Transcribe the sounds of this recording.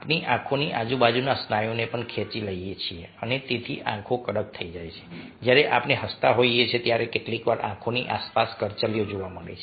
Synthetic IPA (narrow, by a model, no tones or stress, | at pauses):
apniʔãkʰoniʔad͡ʒubad͡ʒunasnajonepəɳkʰet͡ʃiləiet͡ʃʰieənet̪et̪ʰḭʔã̰kʰokəɽək̚t̪ʰəid͡ʒajt͡ʃʰe̥ | d͡ʒjaɾeʔapneɦəst̪aɦoiet͡ʃʰet̪jaɾekeʈlikʋaɾʔã̰kʰoniʔaspaskəɾt͡ʃəlijod͡ʒoʋaməɽḛt͡ʃʰe